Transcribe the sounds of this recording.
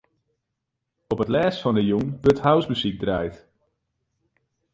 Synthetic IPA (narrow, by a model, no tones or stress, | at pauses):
ɔpətlɛːsfɑndəjuŋʋɵthawsmyzik̚draːjt